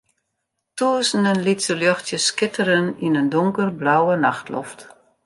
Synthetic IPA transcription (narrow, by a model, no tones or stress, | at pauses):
tuəsnənlitsəljɔxtjəskɪtəɾəninəndʊŋkərblawənaxtlɔ̰ft